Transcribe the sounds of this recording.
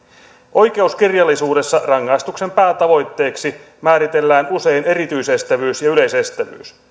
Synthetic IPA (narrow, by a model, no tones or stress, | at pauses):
ʔo̞jke̞usk̟irjɑlːisuːde̞sːɑrɑŋːɑjst̪ukse̞mpæːt̪ɑʋo̞jt̪ːe̞ːksi | mæːɾit̪e̞lːæːnuse̞jne̞ɾit̪yise̞st̪æʋyːsjɑyle̞jse̞st̪æʋy̰ːs